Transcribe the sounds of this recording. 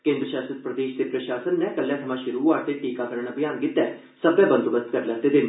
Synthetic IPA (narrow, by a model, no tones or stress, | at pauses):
kẽːnd̪ɾəʃaːst̪ət̪̚pɾəd̪eːʃd̪eːpɾəʃaːsənːɛ̃ːkəlːjãːt̪ʰəmãːʃʊɾuːaːt̪eːʈiːkãːkəɾɳ̃abɪjaːnkɪt̪ːɛː | səbjãːbənt̪əbəst̪kəɾlɛːd̪eːd̪eːn